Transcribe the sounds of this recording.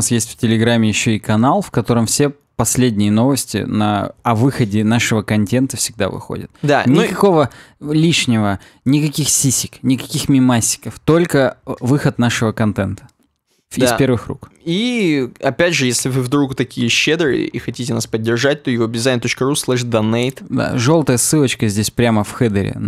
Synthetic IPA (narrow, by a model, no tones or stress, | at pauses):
asjesʲtʲftʲɪlʲɪɡɾamʲːɪjɪɕːo̞ɪkɐnalˠfkɐt̪o̞ɾɨmfsʲe | pɐsʲlʲedʲnʲɪjəno̞vəsʲtʲɪ̰nɐ̰ɐvɨxədʲɪnaʂɨvəkɐnʲtʲe̞nt̪əfsʲɪɡ̚d̪a̰vɨ̰xo̰dʲɪ̰t̪̚d̪anʲɪkɐko̞vəlʲiʂnʲɪvə | nʲɪkɐkʲixsʲisʲɪknʲɪkɐkʲixmʲɪmasʲːɪ̥kəft̪o̞lʲkəvɨxət̪naʂɨvəkɐnt̪ɛnt̪ə̥ | d̪ispʲe̞rvɨxrṵkiɐpʲædʲʐɨjesʲlʲɪvɨvd̪ɾukt̪ɐkʲijəɕːed̪ɾɨjə̰ixɐtʲitʲɪnaspədʲːɪrʐat̚ʲt̪ojɪvobʲɪzajnt̪o̞t͡ɕkəɾuslˠɛʂd̪ɐnejt̪d̪a̰ʐo̞lˠt̪əjəsɨlˠət͡ɕkəzʲdʲesʲpɾʲaməfxɛd̪ɨɾʲɪ̰